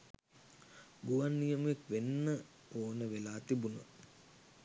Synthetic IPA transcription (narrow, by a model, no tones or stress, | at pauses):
ɡuʋanːijəmuekʋenːə | oːnəʋelaːt̪ibunə̰